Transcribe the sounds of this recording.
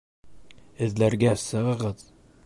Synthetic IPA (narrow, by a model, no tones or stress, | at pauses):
ɘ̆zlæɾɡæsɤ̆ʁʁɤt̪